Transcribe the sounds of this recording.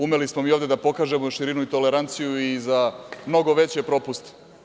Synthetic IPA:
umelismomiːo̞ʋvd̪ed̪apo̞kaːʒe̞moʃiɾinuit̪o̞le̞ɾant̪sijuizamno̞ɡo̞ʋet͡ɕepɾo̞pust̪

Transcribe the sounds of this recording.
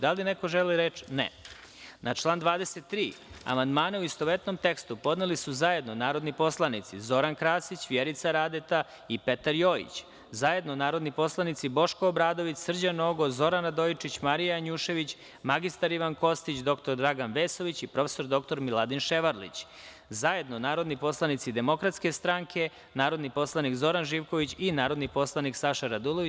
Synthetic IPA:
d̪alinekoʒeliɾet͡ʃnḛ | nʔat͡ʃlˠaːnd̪ʋaːd̪eset̪ːɾiːa̰mand̪maːnauist̪oʋet̪no̞mt̪e̞kst̪upo̞d̪nelisuzaje̞d̪nonaːɾo̞d̪nipo̞slˠanit̪sizo̞ɾankɾaːsit͡ɕʋjeɾit̪saɾaːd̪et̪a | ipe̞t̪aɾjo̞ːḭt͡ɕ | zaje̞d̪nonaːɾod̪nipo̞slˠanit̪sibo̞ʃkoːbɾaːd̪o̞ʋit͡s̪sr̩d͡ʑanoːɡozo̞ɾanad̪ojt͡ʃit͡ɕmaɾijaɲuːʃe̞ʋit͡ɕ | maɡist̪aɾiʋanko̞st̪it͡ɕd̪o̞kt̪o̞ɾd̪ɾaɡanʋeːso̞ʋit͡ɕipɾo̞feso̞ɾd̪o̞k̚t̪o̞ɾmilˠad̪inʃeʋaɾlḭt͡ɕ | zaje̞d̪nonaːɾo̞d̪nipo̞slˠanit̪sid̪e̞mo̞kɾat̪ske̞st̪ɾaŋkʰe̞ | naːɾo̞d̪nipo̞slˠanikzo̞ɾanʒiːʋko̞ʋit͡ɕinaːɾo̞d̪niposlˠaniksaʃaɾad̪ulˠoʋi

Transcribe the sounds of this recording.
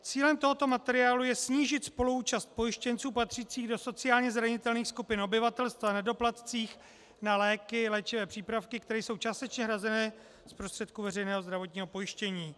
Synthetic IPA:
t͡siːlɛmt̪o̞ɦo̞t̪o̞mat̪ɛɾɪaːlujɛsɲiːʒɪt̪spo̞luuːt͡ʃast̪̚po̞jɪʃcɛnt͡suːpat̪r̝̥iːt͡siːɣdo̞so̞t͡sɪaːlɲɛzɾaɲɪt̪ɛlniːxskupɪno̞bɪvat̪ɛlst̪vanɛdo̞plat̪t͡siːx | nalɛːkɪlɛːt͡ʃɪvɛːpr̝̥iːpɾafkɪkt̪ɛɾɛːjso̞wt͡ʃaːst̪ɛt͡ʃɲɛɦɾazɛnɛː | spɾo̞st̪r̥ɛt̪̚kuvɛrɛjnɛːɦo̞zd̪ɾavo̞t̪ɲiːɦo̞po̞jɪʃcɛɲiː

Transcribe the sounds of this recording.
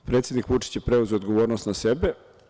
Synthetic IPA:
pɾe̞t̪sʲjed̪nikʋut͡ʂi̥t͡ɕjepɾeuzeod̪ɡoʋoːɾnost̪nasebe

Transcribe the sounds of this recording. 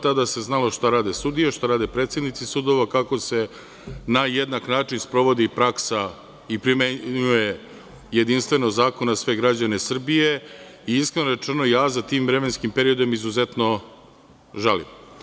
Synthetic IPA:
t̪ad̪ase̞znalo̞ʃt̪aɾaːd̪esud̪ijaʃt̪aɾaːd̪epɾet̪sje̞d̪nit̪sisud̪oʋakako̞se̞ | najed̪naknaːt͡ʂinspɾo̞ʋo̞d̪ipɾaksa | ipɾimeɲuje̞ | jed̪inst̪ʋe̞noɡzaːko̞nasʋe̞ɡɾad͡ʑanesr̩bije̞iiskɾe̞noɾe̞t͡ʂeno̞jaːzat̪iːmvɾe̞me̞nskimpe̞ɾio̞d̪o̞mizuze̞t̪no̞ | ʒalḭm

